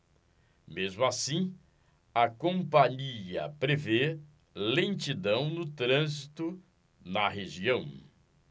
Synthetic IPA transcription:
mezmʊasĩ | ɐkõmpɐɲiɐpɾeve | lẽt͡ʃid̪ɐ̃w̃nʊt̪ɾɐ̃zit̪ʊ | nɐɦeʒiɐ̃w̃

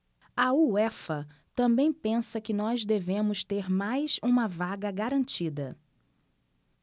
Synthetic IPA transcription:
ɐuɛfɐt̪ɐ̃mbẽj̃pẽsɐkɪnɔzd̪evẽmʊst̪eɾmajsũmɐvaɡɐɡaɾɐ̃nt͡ʃid̪ɐ

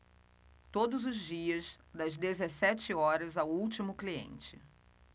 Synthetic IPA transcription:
t̪od̪ʊzʊzd͡ʒiɐzd̪ɐzd̪ezesɛt͡ʃɪɔɾɐzawuwt͡ʃimʊkliḛ̃nt͡ʃɪ̰

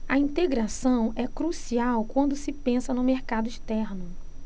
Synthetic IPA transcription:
ɐĩt̪eɡɾasɐ̃w̃ɛkɾusiawkwɐ̃nd̪ʊsɪpẽsɐnʊmeɾkad̪ʊiʃt̪ɛɾnʊ

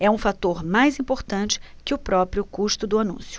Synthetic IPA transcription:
ɛũfat̪oɾmajzĩpoɾt̪ɐ̃nt͡ʃɪ̥ | kɪʊpɾɔpɾijʊkuʃt̪ʊd̪ʊanṵ̃sjʊ̥

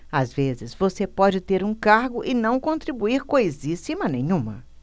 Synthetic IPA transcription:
azvezɪzvosepɔd͡ʒɪt̪eɾũkaɾɡʊʔɪnɐ̃w̃kõnt̪ɾibuiɾkojzisimɐnẽɲũmɐ̰

